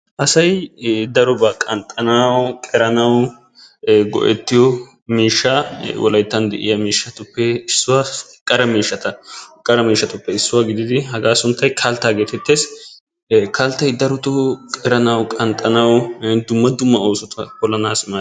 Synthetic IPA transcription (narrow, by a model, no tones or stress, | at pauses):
ʔɐsɐjd̪ɐɾɔbaːkʼɐnt̪ʼːɐnɐwkʼɛɾɐnɐw | ɡɔ̰ʔɛ̰t̪ːɪjɔ | miːʃːɐwʔɔ̰lɐjt̪ːɐnd̪ɛ̰ʔɪ̰jɐmiːʃːɐt̪ʊpːɛɪsːʊwaːkʼːɐɾɐmiːʃːɐt̪ɐkʼːɐɾɐmiːʃːɐt̪ʊpːɛɪsːʊwaɡɪd̪ɪd̪ɪɦɐɡaːsʊnt̪ːɐjkʰɐlt̪ːaːɡeːt̪ɛt̪ːeːs | kʰɐlt̪ːɐjd̪ɐɾɔt̪ʊkʼɛɾɐnɐwkʼɐnt̪ʼɐnɐwd̪ʊmːɐd̪ʊmːɐoːsɔt̪ɐkɔlːɐnaːsma